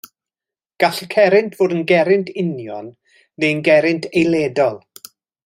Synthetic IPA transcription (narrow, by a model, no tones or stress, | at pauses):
ɡ̥aɬəkʰɛɾɪntʰv̥oːdənɡɛɾɪntʰɪnjɔnː | eənɡɛɾɪntʰejlˠeːdɔlˠ